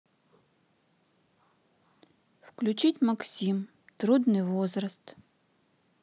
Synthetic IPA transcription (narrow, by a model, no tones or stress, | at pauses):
wklʲʊt͡ʃitʲmɐksʲim | t̪ɾud̪nɨjvɔzrɐst̪